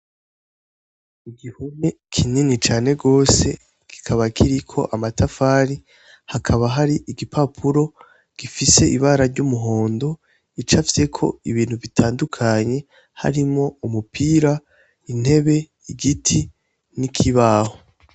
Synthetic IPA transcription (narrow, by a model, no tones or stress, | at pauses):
iɡihune | kʰininit͡ʃaːne̞ɡo̞ːse̞ | ɡ̥i̥kʰaβakʰiɾikʰo̞̰ʔamatʰafaːɾi | hakʰaβaɦaɾiʔiɡipʰapʰuɾo̞ | ɡ̥ifise̞iβaɾaɾɟumuɦo̞ːndo̞ | it͡ʃafise̞kʰo̞̰iβiːnhuβitʰaːndukʰaɲe̞ | ha̰ɾimŋo̞umupʰiːɾa | in̥he̞βe̞ | iɡitʰi | nikʰiβaːho